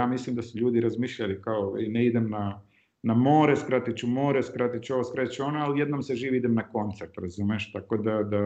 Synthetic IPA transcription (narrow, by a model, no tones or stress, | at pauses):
aːmislimd̪asuʎuːd̪iɾazmiːʃʎalikaoineid̪emna | namoːɾeskɾat̪it͡ʃumoːɾeskɾat̪it͡ʃoʋoskɾat̪t͡ʃuonoalijed̪noːmseʒiːʋiid̪emnako̞nt̪seɾt̪ɾazuːmeʃt̪akod̪ad̪a